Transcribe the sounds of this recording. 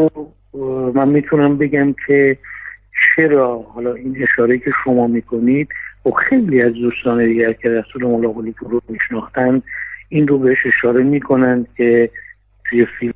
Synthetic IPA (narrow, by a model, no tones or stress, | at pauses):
o | mænmiːt̪ʰunæmbe̞ɡæmkʲʰe̞ | t͡ʃʰe̞ɾɒːhɒlɒːine̞ʃɒːɾeicʰe̞ʃo̞mɒːmiːkʰo̞nid̪̥xobxe̞jliːæzd̪uːst̪ɒːned̪iːɡæɾcʰe̞ɾæsuːlemolɒːɣolid̪oɾomiʃnɒːxt̪ænd̪inrobeheʃe̞ʃɒːɾe̞miːkʰo̞nænd̪̥̚kʲʰe̞ | t̪ʰuje̞fil